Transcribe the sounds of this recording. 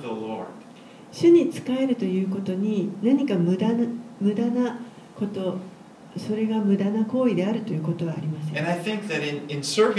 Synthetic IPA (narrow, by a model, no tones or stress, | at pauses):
ðəlɔ̰ɹd̥ | ɕɨɲ̟it͡sɨ̥kae̞ɾɯ̟t̪o̞jɯ̟ːko̞t̪o̞ɲ̟inaɲ̟ikamɯ̟d̪anmɯ̟d̪ana | ko̞t̪o̞ | so̞ɾe̞ɡamɯ̟d̪anako̞ːid̪e̞aɾɯ̟t̪o̞jɯ̟ːko̞t̪o̞β̞aːɾʲimasẽɨ̃naɪθɪ̃ŋk̚ðɨɾɪ̃nɪ̃nsɜ˞v